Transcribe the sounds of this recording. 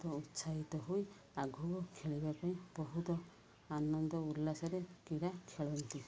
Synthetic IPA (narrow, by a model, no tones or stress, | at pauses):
t̪ɔut̪saɦit̪ɔɦuj | aɡʱubɔkʰeɭibapaĩbɔɦut̪ɔ | anɔnd̪ɔulːasɔɾekiɾakʰeɭɔnt̪i